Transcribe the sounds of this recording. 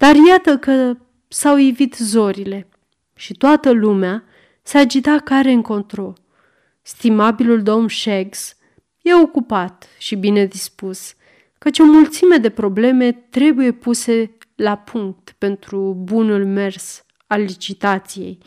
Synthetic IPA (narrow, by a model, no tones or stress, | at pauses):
d̪̥arjat̪əkə | sawjevit̪zo̞ɾile̞ | ʃit̪oat̪əlumea | sead͡ʒit̪akaɾe̞ɨŋko̞nt̪ɾo̞l | st̪imabiluld̪o̞mʃeɡs | je̞o̞kupat̪ | ʃibine̞d̪ispus | kət͡ʃo̞mult̪sime̞d̪e̞pɾo̞ble̞me̞t̪ɾe̞buje̞puse̞ | lapʰuŋk̚t̪pe̞nt̪ɾubunulme̞rs | alːit͡ʃit̪at̪sije̞̰j